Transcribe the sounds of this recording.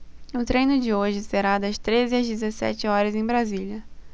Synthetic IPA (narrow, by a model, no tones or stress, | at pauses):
ʊt̪ɾejnʊd͡ʒɪoʒɪseɾad̪ɐst̪ɾezɪɐzd͡ʒɪzesɛ̰t͡ʃɪɔɾɐzẽj̃bɾaziʎʲɐ